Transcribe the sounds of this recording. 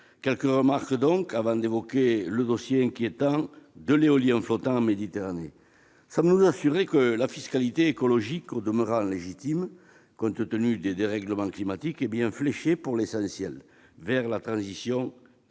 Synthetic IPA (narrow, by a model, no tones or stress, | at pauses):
kɛlkəʁəmaʁkd̪ɔ̃ŋkavɑ̃d̪evɔkeləd̪ɔsjeɛ̃ŋkjet̪ɑ̃d̪əleɔliɑ̃flɔt̪ɑ̃ɑ̃med̪it̪eʁane | sɑ̃mbənuzasyʁekəlafiskalit̪eekɔlɔʒikod̪əməʁɑ̃leʒit̪im | kɔ̃nt̪ət̪ənyd̪ed̪eʁɛɡləmɑ̃klimat̪ikebjɛ̃fleʃepuʁlesɑ̃sjɛl | vɛʁlat̪χɑ̃zisjɔ̃